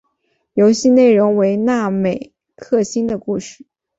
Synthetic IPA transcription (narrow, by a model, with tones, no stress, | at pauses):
jo˧˥ʊɕi˥˧ne˥˩ɪɻʊ˧˥ŋwe˧˥ɪna˥˩me˨˩ɪ | kʰɤ˥˩ɕi˥nd̪ə˨ku˥˧ʂɻ̩˥˩